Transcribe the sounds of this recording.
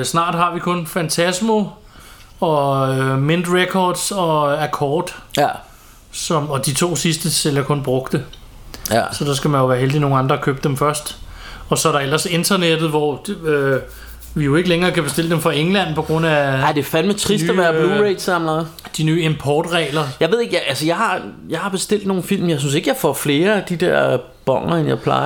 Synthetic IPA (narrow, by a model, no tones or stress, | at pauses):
snɑ̈ːd̥ɦɑ̈ʋikʰɔ̽nfænt͡sʰæsmo | ɒ̽mend̥ʁekʰɒːd̥sɒ̽ækʰɒːd̥ | sɒ̽mɒ̽d̥it͡sʰo̝̰ːsisd̥əselɐkʰɔ̽nb̥ʁɔɡ̥d̥ə | sɒ̽d̥ɑ̈sɡ̥æmænjo̝ʋæːɐɦeld̥ino̝ːŋ̩ɑ̈nd̥ʁɐkʰøːb̥d̥emfɶɐsd̥ | ɒ̽sɒ̽æɐɾ̥ɑ̈el̰ɐse̝nd̥ɐned̥ð̞̩ˠʋɒø | ʋijo̝e̝ɡ̥əleŋɐːkʰæb̥e̝sd̥e̝l̰əd̥emfʁɑ̈eŋlæn̰pʰɒ̽ɡ̥ʁɔ̽n̰æaɪd̥e̝fænmet͡sʰʁisd̥æʋæɐb̥luːʁeɪd̥sɑ̈mlɑ | d̥inyːe̝mpʰɒːd̥ʁɛ̰ːlɐjɑʋe̝ðˠeɡ̥jʔælsəjɑ̈ɪhɑ̈jɑ̈ɪhɑ̈b̥e̝sd̥e̝l̰d̥no̝ːn̩fil̰mjɑ̈ɪs̬ynse̝ɡ̥jɑ̈ɪfɒ̰fle̝ːɐæd̥id̥ɛɐ̰ | b̥ɒ̽ŋ̰ɐenjɑ̈ɪpʰlɑ̈ɪ